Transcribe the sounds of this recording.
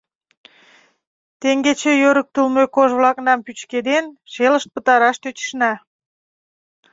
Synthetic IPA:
t̪eŋɡet͡ɕejøɾək̚t̪əlmøkoʒβlɑknɑmpyt͡ɕked̪enʃeləʃt̪̚pət̪ɑɾɑʃt̪øt͡ɕə̥ʃnɑ

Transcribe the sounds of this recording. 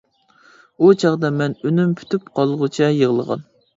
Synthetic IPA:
ut͡ʃʰɑʁd̪ɑmɛnynympʰy̥t̪ʰypqʰɑlˠʁʊt͡ʃʰɛjəʁlˠəʁɑ̰n

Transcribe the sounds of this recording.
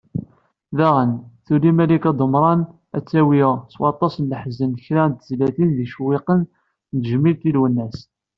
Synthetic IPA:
ðæʁənθulimælikæd̪ˤəmɾˤɑn | æ̰t͡sːæwiʁswɑt̪ˤːɑsənləħzənçɾænt̪əzlæθinðiʃwɪqən | nt̪ʒmilt̪ilwənːæs

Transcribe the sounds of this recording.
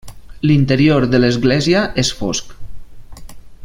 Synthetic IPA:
lint̪əɾioɾðələzɣlɛziəʔesfo̰sk

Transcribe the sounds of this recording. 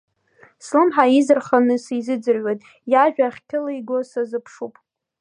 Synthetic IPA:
slɨmħaizɨrχanɨsizɨd͡zɨrɥʷejtʼ | jaʒᶣaːχʲkʲʰɪlaiɡʷosazɨpʰʂupʼ

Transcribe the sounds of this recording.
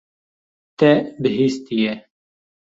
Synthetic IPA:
t̪ɛbɨɦiːst̪ijɛ

